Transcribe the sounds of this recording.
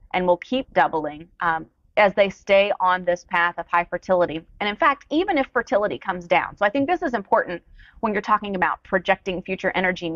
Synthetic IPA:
ʔɨ̃nwɪlˠkʰip̚d̥ʌbl̩ˠɪ̃ŋ | ɨzðeɪsteɪʔə̃nðɪspʰæθʌv̥haɪfə˞tʰɪlˠəɾiɨ̃ñɨ̃nfæk̚tivɨ̃nɨfə˞tʰɪlˠəɾikʰʌ̃mzdãʊ̃nsoʊaɪθɪ̃ŋk̚ðɪsɨzɨ̃mpʰɔɹʔn̩twə̃njə˞tʰɔkɪ̃ŋɨbaʊt̚pʰɹ̥ɨd͡ʒɛk̚tɪ̃ŋfjʉt͡ʃə˞ʔɛñə˞d͡ʒi

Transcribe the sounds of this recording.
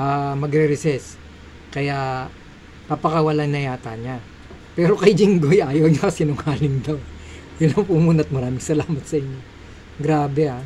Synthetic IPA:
ʔamɐɡɾɛɾɛsɛs | kɐja | pɐpɐkɐwɐlaŋnɐjaːt̪aɲa | pɛːɾo̞kɐjd͡ʒɪŋɡojʔaːjɐwɲokɐsinʊŋhaːlɪŋd̪ɐwd̪ɐlɐŋpʊmuːnɐɐt̪̚mɐɾaːmɪŋsɐlaːmɐt̪̚sɐʔɪɲːo | ɡɾaːbɛa

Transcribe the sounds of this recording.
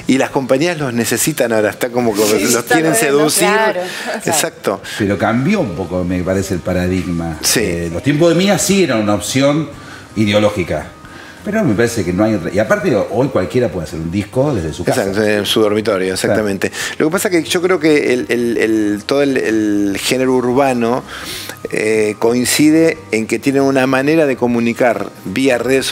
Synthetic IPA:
ilasko̞mpaɲiazlo̞znesesit̪anaoɾaeht̪akomokelost̪jenẽnseðusiɾḛsak̚t̪o̞peɾo̞kambjoumpo̞komepaɾeseːlpaɾaðiɣmasilot̪jemp̬oðemiasieɾanunaopsjo̞n | iðeo̞loxika | peɾomepaɾesekenoajreiapaɾt̪eʔojkwalkje̞ɾapweðaseɾund̪ihkoðezðesu̥keasat̪nsuðo̞ɾmit̪o̞ɾjoeksakkt̪amẽnt̪elʔo̞kepasakeʒ̥o̞kɾeokellelt̪oðoelelxeneɾouɾβano̞ | eko̞insiðeːŋket̪jenenunamaneɾaðeko̞munikaɾβiareðes

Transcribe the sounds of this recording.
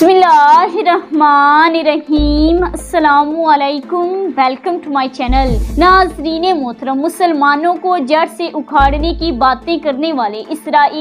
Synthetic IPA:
smɪlːaɦɪɾɐhmaːneɾɐɦiːmɐsɐlaːmɐleːkʊmʋɛlkə̃mʈumaːɪt͡ʃɛːnəlnaːzɾiːnemoːt̪ʰɾəmːʊsəlmaːnõkod͡ʒɐɽseʔʊkʰaːɽnekibaːt̪ẽkɐɾneʋaːleʔɪsɾaːiː

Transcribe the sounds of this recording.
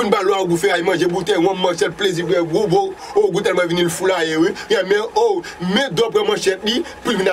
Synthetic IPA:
unpalɔaɡufɛajimɐ̃ʒebut̪ɛjw̃ãmːãʃɛtplezip̬ɡɛ̃bobooɡut̪̬ɛlmãvinilfulajewijãmɛ̃omɛ̃d̪ɔp̬ɣɛ̃mãʃɛt̚lipuivĩna

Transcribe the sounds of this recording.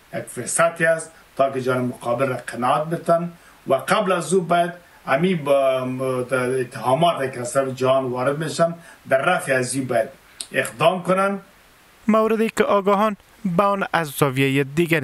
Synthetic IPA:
jakfʊɾsat̪eas | t̪ːɑkɪd͡ʒɦɑnɪmʊqɑbɪlɾaqɪnɑat̪̚bɪt̪an | waqablazubɔjad̪ | ami | ɪt̪ːɪɦɑmɔt̪akɪast̪aɾafɪd͡ʒahɑnwɑɾɪd̪meʃand̪aɾːafeazubɔjad̪ | ɪqd̪ɑmkʊnan | mawɾɪd̪ekɪʔɒɡɔɦɔn | baɔnazzɔvjajad̪iɡaɾ

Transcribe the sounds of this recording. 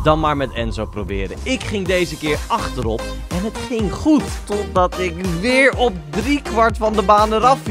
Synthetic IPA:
d̥ɑnmaːɹmɛtɛnzowprobɪ̰ːɾəɪkχɪŋdejzəkɪːɹɑχtəɾɔpɛnətχɪŋχutːɔt̚dɑtɪkʋɪːɹɔpdrikʋɑɹtfɑndəbaːnəɾɑf

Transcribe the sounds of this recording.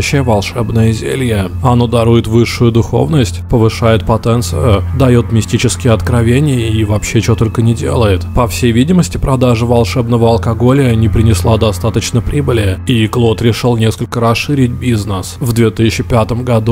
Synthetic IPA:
ɕːɪjəvɐlˠʂɛbnəjəzʲḛlʲjəɐno̞d̪ɐɾujɪt̪vɨʂːʊjʊd̪ʊxo̞̰vnəsʲtʲpəvɨʂajɪt̪̚pɐt̪ɛnt̪sɨ̰jʊd̪ɐjo̞t̪mʲɪsʲtʲit͡ɕɪskʲɪjəɐt̪kɾɐvʲenʲɪjəivɐpɕːet͡ɕot̪o̞lʲkənʲɪdʲe̞̰lˠəɪt̪pɐfsʲejvʲidʲɪməsʲtʲɪpɾɐd̪aʐɨvɐlˠʂɛbnəvəɐlˠkɐɡo̞lʲɪjənʲɪpɾʲɪnʲɪslˠad̪ɐst̪at̪ət͡ɕnəpɾʲibɨlʲɪiklˠo̞t̪ɾʲɪʂɨlˠnʲe̞skəlʲkəɾɐsʂɨɾʲɪt̚ʲbʲiznəsvd̪vʲe̞t̪ɨsʲɪt͡ɕːɪpʲat̪əmɡɐd̪u

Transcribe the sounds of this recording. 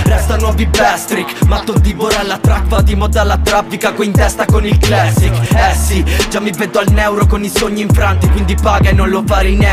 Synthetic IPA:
rɛst̪anwɔːvibɛst̪ɾikmat̪ːod̪iboɾalːat̪ɾakpad̪imɔd̪alːat̪ɾafːikakoint̪ɛst̪akonilklɛsːikɛsid͡ʒamːibɛd̪ːoalnɛwɾokonisoɲːiɱfɾant̪ikwind̪ipaːɡaenːonlofalinɛ

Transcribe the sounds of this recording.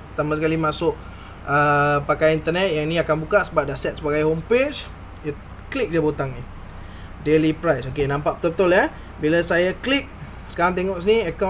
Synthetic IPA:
t̪amasəkalimãsʊʔ | əpakajint̪ənɛt̪̚jaŋinĩakanbukaʔsəbap̚dasɛt̪̚səbaɡajɦompet͡ʃ | j | klik̚d͡ʒabot̪aŋni | delipɾajsokenãmpaʔbət̪ulbət̪ula | bilasajaklik̚ | sə̥kaɾaŋt̪̬eŋɔʔs̬iniəka

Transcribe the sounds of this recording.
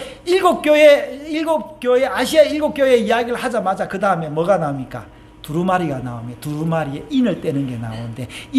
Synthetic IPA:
iɭɡok͈̚joeilɡok͈joeaɕʰiaiɭɡok͈joe̞ijaɡiɾɯɭhad͡ʑamad͡ʑakɯdaɯme̞mʌɡanaumɲik͈a̰ | tuɾumaɾiɡanaumjʌtuɾumaɾieʔinɯɭt͈ʼwenɯnɡe̞na̰onde̞i

